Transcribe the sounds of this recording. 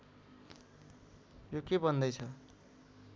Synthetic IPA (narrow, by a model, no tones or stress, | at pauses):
jokebʌnd̪ʌjt͡sʰʌ